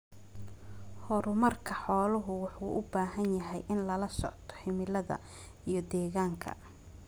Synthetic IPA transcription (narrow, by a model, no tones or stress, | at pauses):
hɔɾʊmɐrkʰɐħɔːlʊɦʊwɑħuːʔʊbaːɦɐnjɐɦɛjʔɪnlɐlɐsɔ̰ʕt̪ʰɔ̥hɪmɪlɐðɐ̰ | ijɞd̪ɛːɣaːŋkʰɐ̰